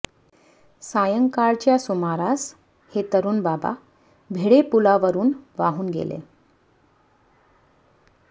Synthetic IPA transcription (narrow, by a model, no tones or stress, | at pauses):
sajəŋkaɭt͡ɕjasumaɾas | het̪əɾuːnbaba̰ | bʱeɽepulaʋəɾuːnʋaɦuːnɡḛlḛ